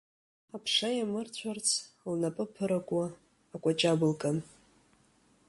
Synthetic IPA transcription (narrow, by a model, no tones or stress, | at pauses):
apʰʂajamɨrt͡ɕʷʰart͡sʰ | lnapʼɨpʰɨɾakʷʼaː | kʷʼat͡ʃʼabɨlkʼam